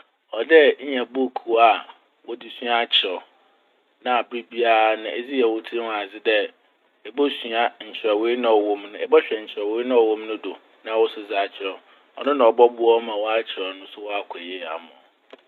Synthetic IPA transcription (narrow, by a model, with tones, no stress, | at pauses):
ɔ˨dɛ˦ɲ̩˦ɲã˨bo˦˨kʰu˨˦a˦˨ | wɔ˦dɪ˨sɥa˦˨t͡ɕʰɪ˨ɾɔ˨ | nã˦a˨bɾi˦bi˦a˦ɾa˦nʊ̃˨ʔɛ˨d͡zi˦jɛ˨wʊ˦tʰĩ˦˨a˨d͡zɪ˦dɛ˦ | ɛ˨bo˦su˨a˦ɲ̩˨t͡ɕʰɪ˨ɾɛ˨we˦nã˦ɔ˨wɔ̃˦mnʊ̃˦ɛ˨bɔ˦ɕᶣɛ˨ɲ̩˨t͡ɕʰɪ˨ɾɔ˨we˦i˦nã˦ɔ˨wɔ̃˦mnʊ̃˦do˨ | nã˨wɔ˦sʊ˦d͡za˨˦˨t͡ɕʰɪ˨ɾɔ˨ | ɔ̰˨nʊ̃˦nã˨ɔ˨bɔ˦bʊ˦ɔ˦mã˨wɔ˦a˦t͡ɕʰɪ˨ɾɔ˨nʊ̃˦sʊ˦wɔ˦a˦kʷʰɛ˨jɛ˦˨a̰˨mʊ̃˨